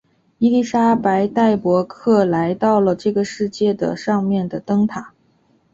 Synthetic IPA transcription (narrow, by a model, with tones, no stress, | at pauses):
i˥li˥˩ʂa˥pa˧˥ɪt̪a˥˩ɪpwɔ˧˥kʰɤ˥˩la˧˥ɪt̪ɑ˥˩ʊlə˩ʈ͡ʂɤ˥˩ɡə˩ʂɻ̩˥˧t͡ɕjɛ˥˩d̪ə̰˩ʂɑ˥˧ŋmjɛ˥˩nd̪ə˩t̪ɤ˥ŋt̪ʰa˨˩˦